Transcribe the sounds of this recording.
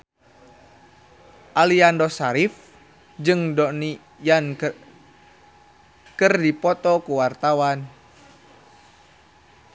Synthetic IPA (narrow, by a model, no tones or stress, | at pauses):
ʔaliandɔsaɾif | d͡ʒɨŋdɔni | jan | kɨrdipɔt̪ɔkuwart̪awan